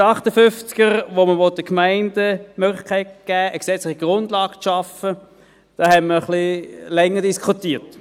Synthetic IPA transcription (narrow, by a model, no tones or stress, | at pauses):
ɑχtəfʏnft͡sɡ̥əɾʋoməʋɔt̚dəkmaɪndəmøɡlɪχkʰaɪt̚ɡ̥æːʔəksɛt͡slɪχiɡ̥ʁʊndlɑːɡ̥t͡sʃɑfə | d̥ɑːhɛtməχlilɛŋːədiskʰutiːt